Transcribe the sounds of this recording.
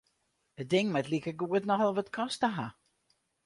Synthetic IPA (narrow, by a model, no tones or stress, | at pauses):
ət̚dɪŋmɛtlikəɡuətnɔxəlˠʋətkʰɔstəɦa